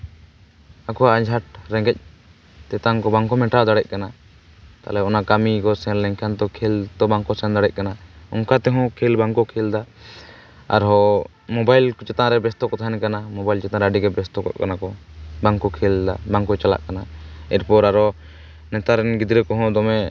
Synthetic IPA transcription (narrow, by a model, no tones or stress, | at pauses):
akɔaʔad͡ʒʱaʈɾɛ̃ŋɡɛc̚ | t̪ɛt̪aŋkɔbaŋkɔmɛʈad̪aɽɛc̚ˀkana | t̪a̰lɛɔnakamikɔsɛɾlɛŋkʰant̪ɔkʰɛlt̪ɔbaŋkɔsɛ̃nd̪aɽɛc̚kanaɔ̰ŋkat̪ɛɦɔ̃kʰɛlbaŋkɔkʰɛld̪a | a̰ɾɦɔ | mɔbajlkɔt͡ʃɛt̪ãɾɛbɛst̪ɔkɔt̪ʰaɦɛnkanamɔbajlt͡ʃɛt̪ãɾaɖiɡɛbɛst̪ɔkɔ̰t̪̚kanakɔbaŋkɔkʰɛld̪abaŋkɔt͡ʃala̰ʔkanaɛɾpɔɾaɾɔ | nɛt̪aɾɛnɡid̪ɾɛkɔɦɔ̃d̪ɔmɛ